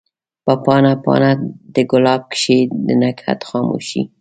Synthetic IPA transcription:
papɑnapɑ̰nad̪əɡʊlɑb̚kʃed̪ənakʰa̰t̪xɑmṵʃḭ

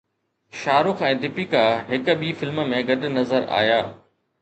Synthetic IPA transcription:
ʃaːɾʊxɛ̃ːd̪ɪpikaɦɪkə̆ɓifɪlmə̆mẽɡɐɗnɐzəɾa̰ːjaː

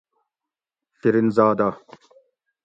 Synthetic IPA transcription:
tiɾinzaːd̪a

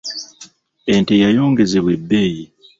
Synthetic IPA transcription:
entejajo̞ːŋɡe̞zeβwe̞bːeːji

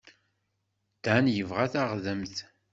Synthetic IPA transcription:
d̪̥ænjəvʁæθaʁðəmθ

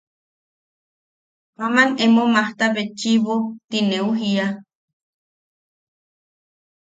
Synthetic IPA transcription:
pamanemomaht̪aβet͡ʃiβot̪ineuɦia

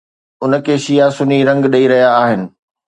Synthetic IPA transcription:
ʊnə̆kʰeːʃijasʊniɾɐ̃ŋɡɗɐiɾɐɦijaːɦɪnɪ̆

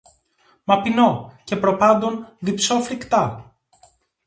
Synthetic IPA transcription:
mɐpino̞ce̞pɾo̞pɐnd̪o̞nðipso̞fɾikt̪ɐ

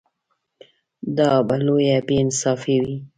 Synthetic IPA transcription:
d̪ɑbalojabeɪnsɑfewi

